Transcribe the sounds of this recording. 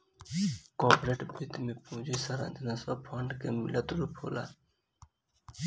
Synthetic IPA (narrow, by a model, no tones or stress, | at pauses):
koːpɾeːʈbʱit̪mipũːd͡ʑisɐɾã̰nd͡ʒ̪ɐnɐswɐpʰaɳɖkemḭlɐt̪uɾupʰo̰ːla̰ː